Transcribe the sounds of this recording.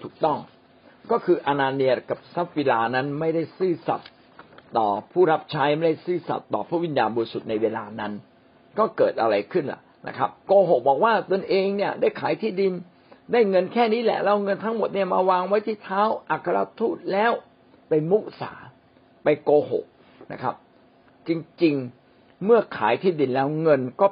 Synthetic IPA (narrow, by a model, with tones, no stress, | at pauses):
t̪ʰuː˨˩k̚t̪ɔ˥˩ŋ | kɔː˥˩kʰɯː˧ʔa˧naː˧ni˧əka˨˩p̚sa˦˥p̚we˧laː˧na˦˥nma˥˩jda˥˩jsɯː˥˩sa̰˨˩t̪̚ː | ɔ̰ː˨˩pʰuː˥˩ɾa˦˥p̚t͡ɕʰa˦˥jma˥˩jda˥˩jsɯː˥˩sa̰˨˩t̪ːɔ̰ː˨˩pʰɾaː˦˥˩wi˧˥njaː˧nbɔː˧i˦su˨˩t̪̚na˧jweː˧laː˧na˦˥n | kɔː˥˩kɤː˨˩t̪̚ʔa̰˧ɾa˧jkʰɯ˥˩nla̰˨˩ʔnʔa̰˦˥kʰa˦˥p̚koː˧ɦo˨˩k̚bɔː˨˩k̚waː˥˩t̪o˧nʔeː˧ŋni˥˩ɐdaː˥˩jkʰaː˩˦jt̪ʰiː˥˩di˧n | daː˥˩jŋɤ˧nkʰɛː˥˩niː˦˥˩lɛ̰˨˩ʔla˦˥˩wŋɤ˧nt̪ʰa˦˥ŋmo˨˩t̪̚ni˥˩ɐmaː˧waː˧ŋwa˦˥jt̪ʰiː˥˩t̪ʰaː˦˥˩wʔa˨˩kʰːa˧ɾa˧t̪ʰuː˥˩t̪̚lɛː˦˥w | pa˧jmu˦˥ʔ̚sa̰ː˩˦ | pa˧jkoː˧ɦo̰˨˩k̚ | na̰˦˥kʰa̰˦˥p̚ | t͡ɕi˧ŋt͡ɕi˧ŋ | mɯ˥˩ɐkʰa̰ː˩˦jt̪ʰiː˥˩di˧nlɛː˦˥wŋɤ˧nkɔː˥˩